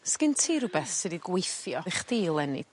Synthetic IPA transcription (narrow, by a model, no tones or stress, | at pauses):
skɪɨntʰiːɾʊbɛθsɨdiɡwejθjɔɪχdiːlˠɛnɪ̰